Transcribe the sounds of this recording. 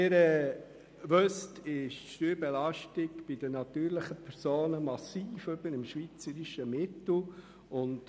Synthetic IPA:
ɪɾɛ | ʋøstɪʃʃtyːɾbɛlɑʃtɪɡb̥ɪd̥ənɑt̪yːɾlɪχəpʰɛɾsoːnəmɑsiːføbəɾɪmʃʋiːt͡səɾiʃəmɪtl̩ | ʊnt

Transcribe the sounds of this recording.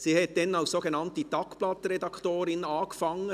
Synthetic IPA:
siːhɛt̚d̥ɛnaʊssoːɡenɑntitɑkplɑtɾɛdɑktoːɾɪnɑːkfɑŋːə

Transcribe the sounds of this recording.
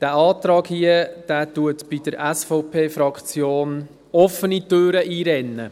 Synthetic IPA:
d̥æːɑːtɾɑːɡhiəd̥æːtuətbid̥əɾæsfɔʊpʰeːfɾɑkt͡sjoːn | ɔfənitøːɾəʔiːɾɛnːə

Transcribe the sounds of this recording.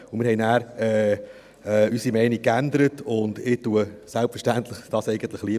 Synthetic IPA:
ʊmɪːɾhɛɪjnæːɾɛː | ɛysimɛɪnikːændəɾətʊndɪtuəsælpfəɾʃtæntləχd̥ɑsɛɪɡən̩t̪ləχliə

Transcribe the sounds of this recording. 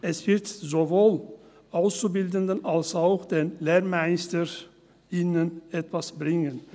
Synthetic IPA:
ʔɛsv̥ɪɐtzovoːl | ʔaʊst͡subɪldəndənalsaʊxd̥eːnleːmaɪstə | inənɛtv̥asb̥ʁɪŋən

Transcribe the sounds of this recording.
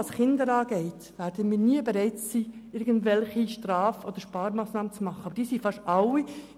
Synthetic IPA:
ɑsχɪndəɾɑːɡ̥ɛɪt | ʋæːɾdəmiːɾniəbeɾɛɪtsiːɪɾɡəndʋɛlχiʃtrɑːfɔd̥̪əɾʃpɑːɾmɑːsnɑːmət͡smɑχəɑbəɾd̥iːsifɑʃɑwi

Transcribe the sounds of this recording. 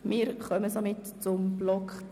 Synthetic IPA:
mɪːɾχœməsomɪtt͡sʊmb̥lɔkχ

